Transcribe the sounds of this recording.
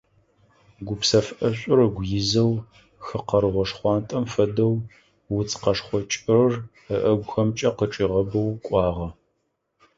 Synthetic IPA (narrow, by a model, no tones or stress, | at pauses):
ɡʷʊpsɐfʔɐɕʷʼʊɾɐɡʷjɪzɐw | xɨqɐɾɨʁʷɔʂχʷɑːntʼɐmfɐdɐw | wʊt͡sʼqɐʂχʷɔt͡ʃʼrɨr | əʔɐɡʷxɐmt͡ʃʼɐqəʈ͡ʂʼiːʁɐbɐwkʷʼɑːʁɐ